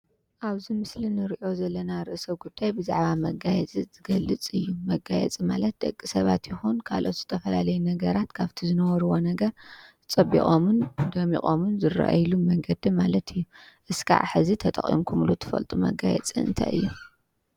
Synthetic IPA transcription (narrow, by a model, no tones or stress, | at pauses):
ʔaβzimɨslinɨɾʔo̞zɐlːɐnaɾɨʔɨsɐβɡud̪̥ːajbɨza̰ʕβamɐɡajɛt͡sʼizɨɡɐlːɨt͡sʼɨjːumɐɡajɛ̰t͡sʼimalɐt̪̚d̪ɐ̰kʼːisɐβat̪jɪxunkʰa̰lʔo̞t̪z̥ɨt̪ʰɐfɐlalɐjunɐɡɐɾat̪kʰaβt̪ʰizɨnɐwɔɾɨwo̞nɐɡɐɾɨt͡sʼɐbḭχʼomund̪ɐmiχʼomunzɨra̰ʔa̰jlumɐŋɡɐd̪imalɐt̪ʰɨjːuʔɨskʰa̰ʕħɨzit̪ʰɐt̪ʼɐ̰χʼḭmkʰumlut̪ʰɨ̥fɐ̰lt̪ʼumɐ̰ɡajɛ̰t͡sʼiɨ̰nt̪ʰa̰jɨ̰jːu